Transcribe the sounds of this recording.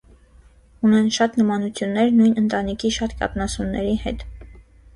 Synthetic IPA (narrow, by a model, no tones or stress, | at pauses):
unɛnʃɑt̪nəmɑnut͡sʰjunːɛɾnujnənt̪ɑnikʰiʃɑt̪kɑ̰pnɑsunːɛɾihɛ̰t̪